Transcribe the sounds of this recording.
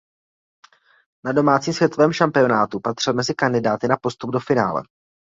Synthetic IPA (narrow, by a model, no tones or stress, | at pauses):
nado̞maːt͡siːmsvjɛt̪ovɛːmʃampɪo̞naːt̪upat̪r̥ɪlmɛzɪkandɪdaːt̪ɪnapo̞st̪ub̚do̞fɪna̰ːlɛ̰